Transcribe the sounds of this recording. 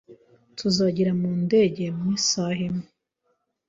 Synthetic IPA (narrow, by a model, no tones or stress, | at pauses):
tʰuzaɟiɾamuːnde̞ɟe̞mwiːsaɦeme